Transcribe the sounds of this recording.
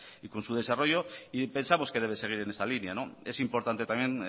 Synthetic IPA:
ikonsuð̞e̞saro̞ʝo̞ipe̞nsamo̞skee̞β̞e̞se̞ɣ̞iɾe̞ne̞salinjanoe̞simpo̞ɾt̪ant̪e̞t̪amje̞n

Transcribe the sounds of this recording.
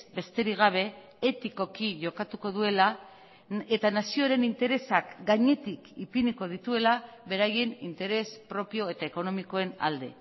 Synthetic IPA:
be̞st̪e̞ɾiɣ̞aβ̞e̞ | et̪iko̞kiʝo̞kat̪uko̞ðue̞la | et̪anasioɾe̞nint̪e̞ɾe̞sakɡaɲe̞t̪ikipiniko̞ð̞it̪ue̞laβe̞ɾaje̞nint̪e̞ɾe̞spɾo̞pio̞e̞t̪aeko̞no̞mikoe̞na̰ld̪e̞̰

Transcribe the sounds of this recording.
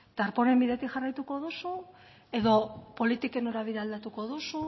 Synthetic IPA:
t̪aɾpo̞ne̞mbiðe̞t̪ixarajt̪uko̞ðosu | e̞ðo̞po̞lit̪ike̞no̞ɾaβ̞iðeald̪at̪uko̞ð̞osu

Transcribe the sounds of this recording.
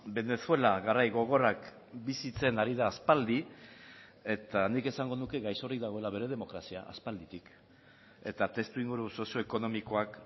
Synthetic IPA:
be̞ne̞sue̞laɣarajɣo̞ɣ̞o̞rak | bisit͡se̞naɾiðaːspald̪i | e̞t̪anike̞saŋɡo̞nuke̞ɣajso̞rik̚d̪aɣo̞e̞laβe̞ɾe̞ð̞e̞mo̞kɾasia̰ʔa̰spald̪it̪ik | e̞t̪at̪e̞st̪uiŋɡuɾuso̞sio̞eko̞no̞miko̞ak

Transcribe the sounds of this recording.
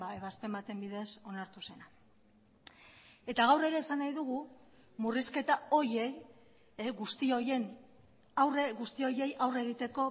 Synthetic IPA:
ae̞β̞aspe̞mat̪e̞mbiðe̞so̞naɾt̪use̞na | e̞t̪aɣawre̞ɾe̞ːsanajðuɣ̞u | muriske̞t̪ao̞je̞j | ɣust̪io̞je̞n | awreɣust̪io̞je̞jʔawre̞ɣ̞it̪e̞ko̞

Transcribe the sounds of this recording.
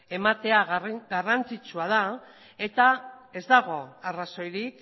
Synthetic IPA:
e̞mat̪e̞aɡarant͡sit͡ʃuað̞a | e̞t̪ae̞zd̪aɣo̞araso̞jɾik

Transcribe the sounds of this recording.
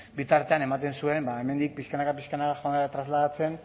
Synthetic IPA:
bit̪aɾt̪e̞ane̞mat̪e̞nsue̞mbae̞me̞nd̪ik̚piskanakapiskanakaxont̪ɾazlaðat͡se̞n

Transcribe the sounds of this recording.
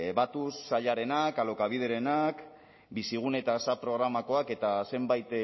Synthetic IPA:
βat̪usːaʎaɾe̞nakalo̞kaβ̞ið̞e̞ɾe̞nak | bisiɣ̞une̞t̪asapɾo̞ɣ̞ɾamako̞ake̞t̪ase̞mbajt̪

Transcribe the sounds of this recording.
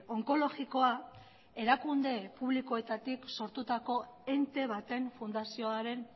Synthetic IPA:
o̞ŋko̞lo̞ɣiko̞a | e̞ɾakund̪e̞puβliko̞e̞t̪at̪ikso̞ɾt̪ut̪ako̞e̞nt̪e̞β̞at̪e̞nfund̪asio̞aɾe̞n

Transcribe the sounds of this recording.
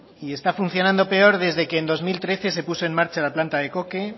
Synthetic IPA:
ie̞st̪afun̟θjo̞nãnd̪o̞pe̞o̞ɾð̞e̞zðe̞ke̞ːnd̪o̞zmilt̪ɾe̞θe̞se̞puso̞e̞nmaɾt͡ʃalaplant̪aðe̞ko̞ke̞

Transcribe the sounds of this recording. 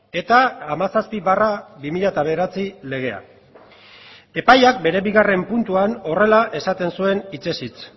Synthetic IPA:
e̞t̪aːmasaspiβarabimiʎat̪aβe̞ɾat͡sile̞ɣ̞e̞a̰ | e̞pajak̚be̞ɾe̞βiɣare̞mpunt̪uano̞re̞laʔe̞sat̪e̞nsue̞nit͡ʃe̞sit͡s

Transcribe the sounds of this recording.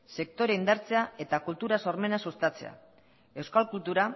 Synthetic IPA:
se̞kt̪o̞ɾeind̪aɾt͡se̞ae̞t̪akult̪uɾaso̞ɾme̞nasust̪at͡se̞̰a̰ | e̞wskalkult̪uɾa

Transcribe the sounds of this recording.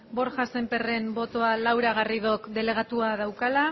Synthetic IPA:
bo̞ɾʝasempe̞re̞mbo̞t̪o̞alawɾaɣ̞ariðo̞kd̪e̞le̞ɣ̞at̪uaðawkala

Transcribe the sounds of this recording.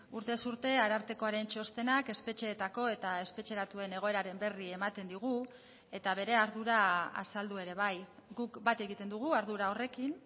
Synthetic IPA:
uɾt̪e̞suɾt̪e̞aɾaɾt̪e̞ko̞aɾent͡ʃo̞st̪e̞nake̞spe̞t͡ʃe̞ːt̪ako̞e̞t̪ae̞spe̞t͡ʃe̞ɾat̪ue̞ne̞ɣo̞e̞ɾaɾe̞mbe̞rie̞mat̪e̞nd̪iɣ̞u | e̞t̪aβ̞e̞ɾe̞aɾðuɾaa̰sald̪ue̞ɾe̞β̞ajɡukbat̪e̞ɣit̪e̞nd̪uɣ̞uaɾðuɾao̞re̞kin

